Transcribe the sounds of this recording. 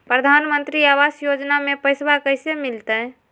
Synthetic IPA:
pɾəd̪ʱanmə̃nt̪ɾiawasjod͡ʒnamẽpəɪsbakəɪsemilt̪əɦ

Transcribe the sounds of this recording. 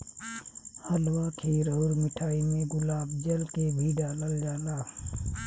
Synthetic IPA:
həlwakʰeɾəʊɾmɪʈʰaːimẽɡʊlaːbd͡ʒəlkebʱiːɖaləld͡ʒaːlaː

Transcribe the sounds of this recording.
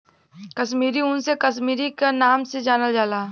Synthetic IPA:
kɐʃmiːɾiʊnsekɐʃmiːɾikenaːmsed͡ʒaːnəld͡ʒaːlaː

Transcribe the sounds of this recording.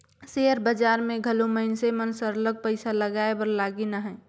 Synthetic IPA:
seːəɾbəd͡ʒaːɾmẽɡʱəloməɦɪnsemənsəɾləɡ̚pəɪsaləɡaːebəɾlaːɡinəɦɛː

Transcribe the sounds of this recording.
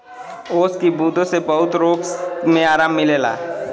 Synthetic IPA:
oːskibuːd̪õsebɐɦʊt̪ɾoːkmẽaːɾaːmːɪleːla̰ː

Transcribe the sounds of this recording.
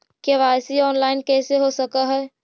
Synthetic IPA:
keʋaːjsiɔːnlaːɪnkɛːseɦosəkaɦɛː

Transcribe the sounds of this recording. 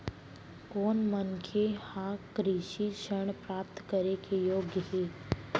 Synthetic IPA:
koːnmənkʰehãːkɾiʃiʃəɳ̃pɾaːp̚t̪kəɾekʰejoːɡjəɦeː

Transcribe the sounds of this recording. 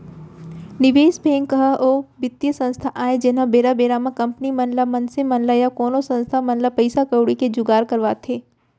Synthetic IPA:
nɪʋeːsbʱẽːŋkəɦʔoːʋɪt̪jəsɐ̃nst̪ʰaʔaːed͡ʒenãbeːɾabeːɾamãkɐ̃mpnimɐnlamɐnsemɐnlajakoːnosɐ̃nst̪ʰamɐnlapɐɪsakəwɽiked͡ʒʊɡaːɾkɐɾʋaːt̪ʰeː

